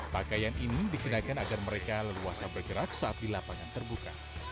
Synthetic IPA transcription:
pakajaninidiɡənakanaɡarməɾekaləluasabərɡəɾak̚saʔat̪̚dilapaŋant̪ərbuka̰

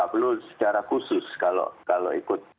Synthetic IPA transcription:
abəlʊlsə̥t͡ʃaɾakusʊskalo̰kalo̰ikʊt̪̚

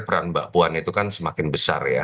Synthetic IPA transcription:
pəɾanbaʔpuanit̪ukansəmakɪnbəsa̰rja̰

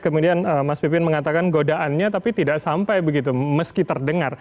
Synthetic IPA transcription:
kəmudianəmaspip̬ɪnməŋat̪akanɡodaʔanɲat̪apit̪idaʔsampajbəɡit̪uməskit̪ərdəŋar

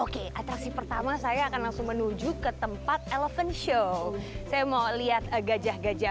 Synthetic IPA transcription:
okeʔat̪ɾaksipərt̪amasajaːkanlaŋsʊŋmənud͡ʒukət̪əmpat̪̚eləfənʃosajamaliat̪̚əɡad͡ʒahɡad͡ʒa

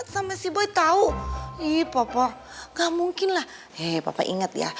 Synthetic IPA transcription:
t̪sampasiboit̪auipapa | ɡaʔmuŋkɪnlah | ɛpa̰pa̰ʔḭŋət̪ja̰

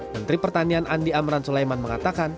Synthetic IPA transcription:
mənt̪ɾipərt̪anianʔandiamɾansulajmanməŋat̪akan

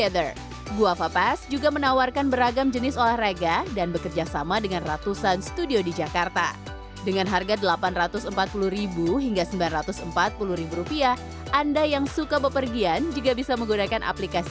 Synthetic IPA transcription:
ɛd̪ər | ɡuafapɛsd͡ʒuɡamənawarkanbəɾaɡamd͡ʒənɪsolahraɡadanbəkərd͡ʒasamadəŋanrat̪usansə̥t̪udiodid͡ʒakart̪a̰ | dəŋanɦarɡadəlapanrat̪ʊsəmpat̪̚puluɾibuɦiŋɡasəmbilanrat̪ʊsəmpat̪̚puluhɾibuɾupia | ʔandajaŋsukabəpərɡiand͡ʒuɡabisaməŋɡunakanʔa̰plikasi

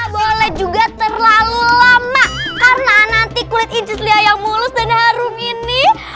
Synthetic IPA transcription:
bolɛhd͡ʒuɡat̪ərlalulamakarnanant̪ikulɪt̪̚ind͡ʒəsliajaŋmulʊsdanhaɾʊmini

